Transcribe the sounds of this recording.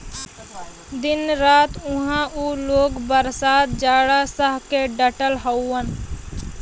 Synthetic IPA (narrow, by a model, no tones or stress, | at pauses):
d̪ɪnɾaːt̪ʊɦãʔuːloːɡbəɾsaːd̪̚d͡ʒaːɽasəɦkeɖəʈəlɦəʊːən